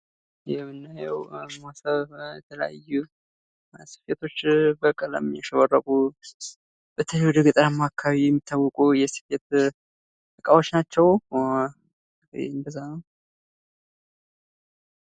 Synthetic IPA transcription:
jɛmːɨnːajɛwmasəβjɛt̪ʰələ̰ja̰jːu | si̥fet̪ʰo̞t͡ʃːbəkʼəla̰mjaʃəwərːəkʼu | b̥ət̪ʰəlwud̪ɨɡɨt̪ʼəɾamːakʰːaβijɛmːit̪ʰːawːɔkʼujɛsi̥fet̪ | t̪ɨkʼawo̞t͡ʃːnat͡ʃːɛw | ḛnbəzːanəw

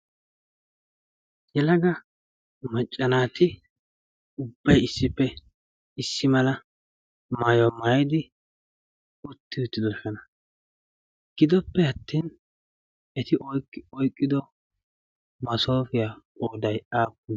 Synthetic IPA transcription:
jɛlɐɡɐ | mɐt͡ʃʼːɐnaːt̪ɪ | ʊbːɐjɪsːɪpːɛ | ɪsːɪmɐlɐ | maːjɔmaːjɪd̪ɪ | ʊt̪ːɪʊt̪ːɪd̪ɔʃɐnɐ | ɡ̥ɪd̪ɔpːɛɐt̪ːiːn | ɛt̪ɪʔɔkːɔjkʼːɪd̪ɔ | mɐso̞ːfɪjaoːd̪ɐjʔaːkːʊ

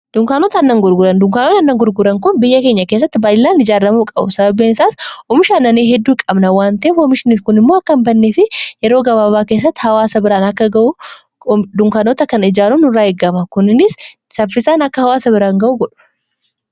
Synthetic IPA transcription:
d̪̥ʊŋkaːnot̪ɐnːɐŋɡʊɾɡʊɾɐnd̪ʊŋkaːnot̪ɐnːɐŋɡʊɾɡʊɾɐŋkʊnbɪjːɐke̞ːɲːɐkes̬ːɐt̪ːɪbaːjlːaːnɪd͡ʒaːɾɐmuːkʼɐbʊ̰sɐbɐbːeːnɪsaːsɔmɪʃaːnːɐneɦɛd̪ːuːkʼɐbnɐwaːnt̪ɐʔeːfɔmɪʃɪniːfkʊnɪmːoːɐkːɐmbɐnːeːfɪjɛɾo̞ːɡɐbaːbaːkeːs̬ːɐt̪ːɪ̥hɐwaːsɐbɪɾaːnɐkːɐɡɐʔʊ | d̪ʊŋkaːnoːt̪ɐkɐnɪd͡ʒaːlunʊraːɛɡːɐmɐkʊnɪnɪs | sɐfːɪsaːnɐkːɐhɐwaːsɐbɪɾaːŋɡɐʔuɡɔᶑʊ̥

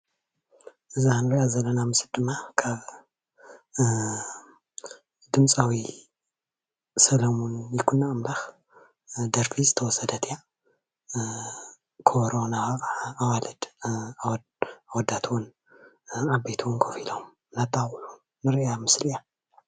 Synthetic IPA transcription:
ʔɨzanɨɾiʔazɐlːɐnamɨsɨld̪ɨmːakʰaβ | d̪ɨmt͡sʼawi | sɐlɐmunjɪkʰunːaʔmlax | d̪ɐɾfizɨt̪ʰɐwɔsɐd̪ɐt̪ʰja | kʰoɾonaːwalɐd̪ | awɔd̪at̪ʰwɔn | ʕabejt̪ʰuwɔnkʰofilom | nat̪ʰʼːaxħu | nɨɾiʔjamɨslija

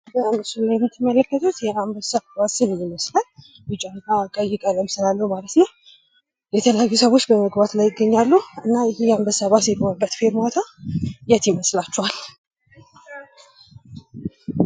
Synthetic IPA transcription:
bəambəsuɡɨnt̪ʰɨmələkːət̪ʰut̪jɛʔambəsəββasɨnjɪməslal | bɨt͡ʃʼːannakʼəjɪkʼələmsɨlalːəwmalət̪nəw | jɛt̪ʰələjajːusəβo̞t͡ʃːbəməɡbat̪lajːɪɡːəɲːalːuɨnːajɪhijɛambəsəβasjɛlonəbːət̪feɾmat̪ʰajɛt̪jɪməslat͡ʃːɛhal

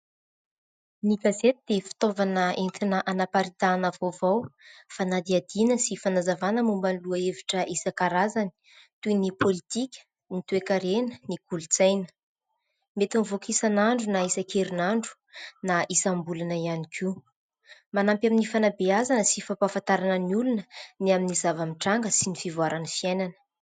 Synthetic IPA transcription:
niɡazet̪id̪̥efi̥t̪ovanəent̪inəʔanapaɾit̪anəvovawfanad̪iad̪inəsifanazavanəmumbaluəeviʈ͡ʂəʔisəkaɾazani̥ | t̪ujnipʰolit̪ikʲə̥ | nit̪uekaɾenə̥nikulut͡sajnə̥ | met̪unvokisanaɳɖ͡ʐunaisəkeɾinaɳɖ͡ʐu̥ | naʔisambulanəianikʲʰi | manampjaminifanabeazanəsifapafant̪aɾanəniulunəniaminizavamiʈ͡ʂaŋɡəsinifivwaɾanəfiajnanə̥

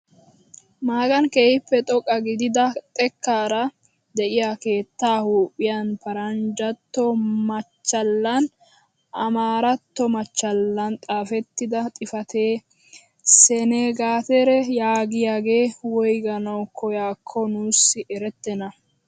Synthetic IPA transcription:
maːɡɐnkeːhɪpːɛt̪ʼɔkʼːɐɡɪd̪ɪd̪ɐt̪ʼɛkːaːɾɐ | d̪ɛʔɪjaːke̞ːt̪ːaːhuːpʼːɪjanpɐɾɐnd͡ʒɐt̪ːɔmɐt͡ʃːɐlːɐn | ʔɐmaːɾɐt̪ːɔmɐt͡ʃːɐlːɐnt̪ʼaːfɛt̪ːɪd̪ɐt̪ʼɪfɐt̪eː | sɛneɡaːt̪ɛɾɛjaːɡɪjaːɡe̞ːwɔjɡɐnɐwkʰɔjaːkʰːɔnuːsːɪʔɛɾɛt̪ːɛnɐ

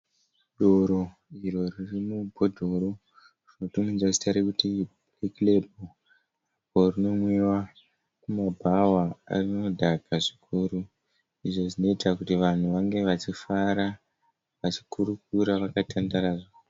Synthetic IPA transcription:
ɗoɾo | iro̞ririmubʱodʱo̞ɾo | rino̞tumind͡zasi̥taɾekuti | leklebʱo | aporino̞mwiwa | kumabʱawaa̰rino̞dʱaɡʱaʐikʰuːɾu | iʐo̞ʐino̞itakutiʋan̤uʋaŋɡe̞ʋat͡ʃifaɾa | ʋat͡ʃi̥kuɾuk̚uɾaʋakatandaɾaːʐo

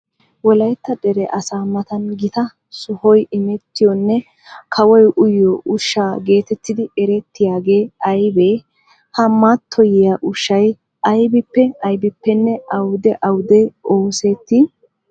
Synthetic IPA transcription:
wɔlɐjt̪ːɐd̪ɛɾɛʔɐsaːmɐt̪ɐnɡɪt̪ɐ | sʊhɔjɪmɛt̪ːɪjɔnːɛ | kʰɐwɔjʔʊjɔʔʊʃːaːɡe̞ːt̪ɛt̪ːɪd̪ɪɛɾɛt̪ːɪjaːɡeːɐjbeː | hɐmːat̪ʰːɔjɪjaʔʊʃːɐj | ʔɐjbɪpːɛɐjbɪpːɛnːɛɐwd̪ɛʔɐwd̪ɛowseːt̪ːɪ

